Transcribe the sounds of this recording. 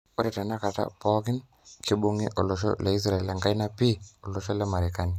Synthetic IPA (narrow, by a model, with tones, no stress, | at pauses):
ɔ˦ɾɛ˨ta˨na˦ka˨ta̰˦pɔ˦kɪ˦n | kɪ˦bo˦ŋɪ̰˦ʔɔ˨lɔ˨ʃɔ̰˦lɛ˨i˦s̬ɾa˨i˨lɛ˨ŋɡa˦jna˦pi˦ɔ˨lɔ˨ʃɔ˦lɛ˦ma˨ɾi˨ka˦ni˨